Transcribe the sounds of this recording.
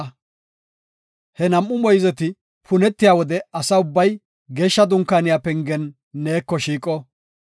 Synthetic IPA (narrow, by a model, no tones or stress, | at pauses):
hɛnɐmːʊmɔjzɛt̪ɪ | pʰʊnɛt̪ːɪjaːwɔd̪ɛɐsɐʊbːɐj | ɡeːʃːɐd̪ʊŋkːaːnɪjaːpɛŋɡɛnː | eːkːɔʃiːkʼɔ